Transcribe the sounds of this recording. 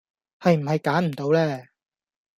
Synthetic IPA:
hɐ˨jm̩˨˩hɐ˨jkaː˨˥nm̩˨˩t̪o˨˧wlɛː˥

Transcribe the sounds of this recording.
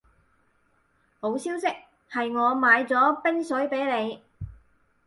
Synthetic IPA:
ho˨˥wsiː˥wsɪ˥k̚ | hɐ˨jŋɔː˨˧maː˨˧jt͡sɔː˨˥pɪ˥ŋsɵ˨˥jpe˨˥jle˨˧j

